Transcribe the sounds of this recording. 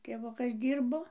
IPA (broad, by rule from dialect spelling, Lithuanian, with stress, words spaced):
tʲeːˈʋʊkɐs ˈdʲiːrboː